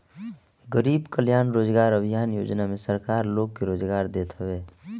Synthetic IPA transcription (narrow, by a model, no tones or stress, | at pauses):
ɡəɾiːbkəljaːnɾoːd͡ʒɡaːɾəbʱijaːnjo̰ːd͡ʒnamẽsəɾkaːɾloːɡkeɾoːd͡ʒɡaːɾd̪eːt̪ɦəʋeː